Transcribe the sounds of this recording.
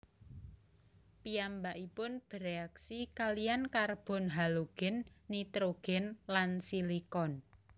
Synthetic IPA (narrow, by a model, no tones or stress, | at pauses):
piambaʔipʊnb̥əɾeaksikalijankarb̥ɔ̤nɦaloɡ̥ɪ̤nːit̪ɾoɡ̥ɪ̤nlansilikɔn